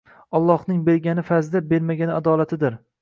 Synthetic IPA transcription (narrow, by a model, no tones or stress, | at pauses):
ɒlˠːɒhnɪŋbe̞ɾɡʲanɪfazd̪abe̞ɾmaɡʲanɪad̪ɒːlat̪ʰɪd̪ɪɾ